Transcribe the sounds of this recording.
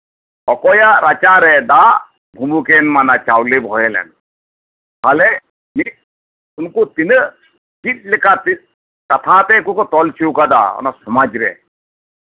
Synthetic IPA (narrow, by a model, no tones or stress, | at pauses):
ɔkɔːjaɾat͡ʃaɾɛd̪a | bʱumukenmanat͡ʃaːwlebʱɔːjelɛ̰n | ɦale | ni | ʊnkut̪inə | kit̪̚likat̪i | kɐt̪ʰaːt̪ekukot̪ɔlt͡ʃʰiwkad̪a̰ɔ̰nasumad͡ʒɾḛ